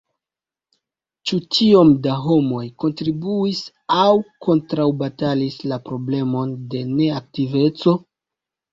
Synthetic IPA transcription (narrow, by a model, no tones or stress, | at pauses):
t͡ʃutʰio̞mdaɦo̞mo̞jko̞ntɾibuis | awkʰo̞ntɾawbatalislapɾo̞ble̞mo̞nde̞ne̞ak̚tive̞t͡so̞